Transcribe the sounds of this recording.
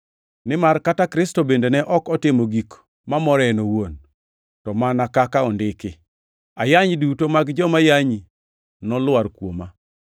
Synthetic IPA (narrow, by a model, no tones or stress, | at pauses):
nɪmarkatakɾɪstɔbendenɛʔɔkɔtɪmoɡik | mamɔɾɛnowon | tɔmanakakaɔndɪkɪ | ajaɲdutomaɡd͡ʒɔmajaɲi | nɔlwaɾkwoma